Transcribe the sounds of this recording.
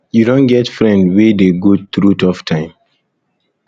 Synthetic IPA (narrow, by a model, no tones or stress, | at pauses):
juɾõnɡɛtfɹɛ̃ndwedeɡot̪ɹutʰɔftʰãɪ̃m